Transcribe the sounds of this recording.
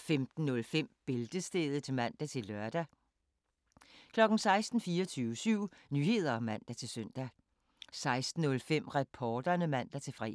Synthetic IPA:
femd̥n̩ːɔ̽lfem̰b̥e̝ld̥əsd̥ḛːðˠət͡sʰe̝mæn̰d̥æt͡sʰe̝lːɶɐ̰d̥æ | kʰlɒ̽ɡ̥n̩sɑ̈ɪsd̥n̩fiːɒt͡sʰyːʊəsyʊ̰nyːhe̝ð̞̰ˠɐɒmæn̰d̥æt͡sʰe̝lsøn̰d̥æ | sɑ̈ɪsd̥n̩ːɔ̽lfem̰ʁɛpʰɒːd̥ɐnəmæn̰d̥æt͡sʰe̝fʁɛ̰

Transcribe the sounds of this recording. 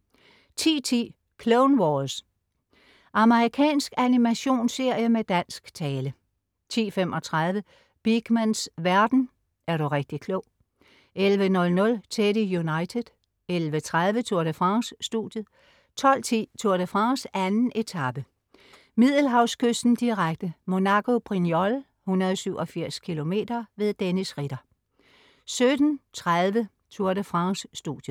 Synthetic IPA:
t͡sʰḭːt͡sʰḭː | kʰloʊnwɒːls | ʔɑ̈məʁikʰɛ̰ːnsɡ̥ænimæɕo̝̰ːnse̝ɐ̰jəmed̥æn̰sɡ̥t͡sʰɛːlə | t͡sʰḭːfemʔɒt͡sʰʁaðˠʋə | b̥iɡ̥mænsʋæɐd̥n̩ | æɐɾ̥uʁeɡ̥̚d̥ikʰlɔʊ̰ | elʋənɔ̽lnɔ̽lt͡sʰeɾijunɑ̈ɪt͡sʰeðˠ | elʋət͡sʰʁaðˠʋət͡sʰuɐ̰ɾ̥əfʁɑ̈ŋsːd̥uð̥jəð̩ˠ | t͡sʰɒ̽l̰t͡sʰḭːt͡sʰuɐɾəfʁɑ̈ŋsænn̩ʔe̝t͡sʰɑb̥ə | mið̰ˠl̩ɦɑ̈ʊskʰøsd̥n̩d̥iʁaɡ̥̚d̥əmo̝nɑ̈ɡʰo̝b̥ʁinjɒl | hunɐð̞ˠɒsyʊ̰ɒ̽fiɐ̰skʰilo̝me̝̰ːd̥ɐʋe̝ð̞ˠd̥enəsʁid̥ɐ | sød̥n̩t͡sʰʁaðˠʋə | t͡sʰuɐɾəfʁɑ̈ŋsːd̥ṵd̥jə

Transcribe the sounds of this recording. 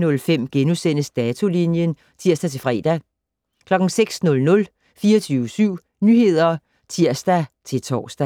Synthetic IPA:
nɔ̽lfem̰ɡ̥enusen̰əsd̥ɛːt͡sʰo̝linjən | t͡sʰiɐ̰sd̥æt͡sʰe̝lfʁɛ̰ːd̥æ | kʰlɒ̽ɡ̥n̩seɡ̥snɔ̽lnɔ̽l | fiːɐt͡sʰyːʊəsyʊ̰ | nyhe̝ð̞̰ˠɐ | t͡sʰiɐ̰sd̥æt͡sʰe̝lt͡sʰɒ̰ːsd̥æ

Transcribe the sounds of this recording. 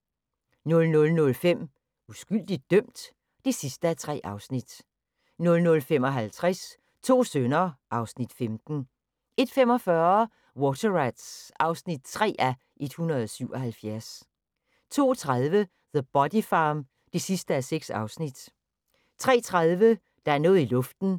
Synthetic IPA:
nɔ̽lnɔ̽lnɔ̽lfem̰ | usɡ̥yl̰d̥id̥̚ːœm̰d̥ː | e̝sisd̥əæɐt͡sʰʁɛ̰ːʔɑ̈ʊsnid̥ | nɔ̽lnɔ̽lfem̰ɒ̽ɦælt͡sʰʁɛs | t͡sʰo̝̰ːsønɐʔɑ̈ʊsnid̥femd̥n̩ | e̝d̥fem̰ɒ̽fɶɐ | wɔːt͡sʰɐʁad̥sɑ̈ʊsnid̥t͡sʰʁɛ̰ːʔæ | ʔe̝d̥hunɐð̞ˠɒsyʊ̰ʔɒ̽ɦælfjæɐs | t͡sʰo̝̰ːt͡sʰʁaðˠʋə | ðəb̥ɒ̽d̥ifɑ̈ːm | d̥e̝sisd̥əæɐseɡ̥sɑ̈ʊsnid̥ | t͡sʰʁɛ̰ːt͡sʰʁaðˠʋə | d̥ɑ̈æɐnɔ̽ːð̩ˠilɔ̽fd̥n̩

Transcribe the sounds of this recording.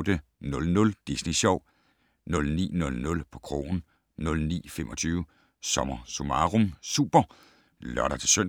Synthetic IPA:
d̥ənɔ̽lnɔ̽ld̥isniɕɒʊ̰ | nɔ̽lnḭːnɔ̽lnɔ̽lpʰɒ̽kʰʁo̝̰ːn̩ | nɔ̽lnḭːfemʔɒt͡sʰyːʊ | sɒ̽mɐsomɑ̈ːʁɔmsṵːb̥ɐ | lɶɐɾ̥ɐt͡sʰe̝søn̰

